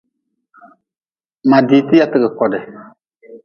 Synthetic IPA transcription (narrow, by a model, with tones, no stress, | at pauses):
ma˨diː˨ti˦ja˨tɪ˨ɡə˨kɔ˨dɛ˨